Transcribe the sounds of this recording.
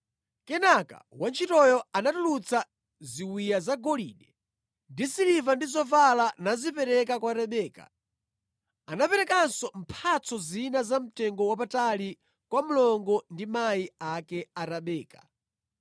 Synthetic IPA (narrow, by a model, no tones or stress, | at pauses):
kɛnaka̰want͡ʃʰitɔjɔanatulut͡sʰa | ziwijazaɡɔliɗɛ | ndisilivandizɔvalanazipɛɾɛkakwaɾɛɓɛːka̰ | anapɛɾɛkansɔm̩pʰat͡sʰɔzinazam̩tɛŋɡɔwapatali | kwamulɔŋɡɔndimaiakɛaɾaɓɛːka